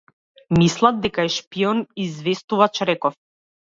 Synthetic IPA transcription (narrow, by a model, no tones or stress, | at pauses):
mislˠad̪̚d̪ɛkaɛʃpiɔnizvɛst̪uvat͡ʃɾɛkɔf